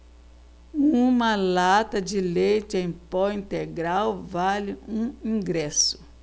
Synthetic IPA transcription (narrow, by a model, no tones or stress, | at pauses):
ũmɐlat̪ɐd͡ʒɪlejt͡ʃɪẽj̃pɔwĩnt̪eɡɾawvalɪũĩŋɡɾɛsʊ̥